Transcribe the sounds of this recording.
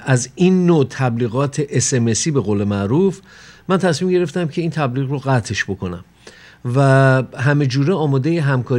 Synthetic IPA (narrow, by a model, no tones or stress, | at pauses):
ʔæzinːot̪ʰæbliːɣɒːt̪ʰe̞ʔesemesiːbe̞ɣoːle̞mæɾuːf | mænt̪ʰæsmiːmɟe̞ɾe̞ft̪æmcʰe̞iːnt̪ʰæbliːɣroɣæt̪ʰe̞ʃbo̞kʰo̞næ̰m | væɦæme̞d͡ʒuːɾeɒːmɒːd̪e̞jeɦæmkʰɒːɾ